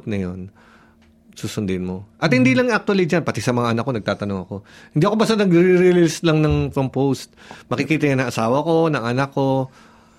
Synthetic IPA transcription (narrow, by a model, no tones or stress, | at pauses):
t̪nɐjon | suːsʊnd̪ɪnmo̞ʔɐt̪̚hɪnd̪iːlɐŋak̚t̪ʊɐlid͡ʒanpɐt̪isɐmɐŋaʔɐnɐkːo̞nɐɡ̚t̪aːt̪ɐno̞ŋɐko̞hɪnd̪iːʔɐko̞bɐsanɐɡɾiɾilɪlst̪lɐŋnɐŋpɾompost̪̚mɐkɪkiːt̪ɐjanɐŋʔɐsaːwɐko̞nɐŋɐnakːo̞